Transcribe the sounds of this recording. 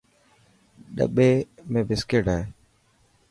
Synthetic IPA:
ɗə̰ɓeːmẽːbɪskeːʈaːeː

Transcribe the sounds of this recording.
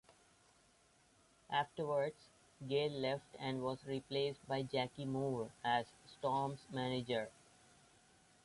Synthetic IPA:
ʔæfʈəɾʋəɾɖz | ɡeːlːɛfʈæ̃ɳɖʋɔːzɾipleːsʈ̚baɪd͡ʒækimuːɾæzsʈɔːɾmsmænɪd͡ʒəɾ

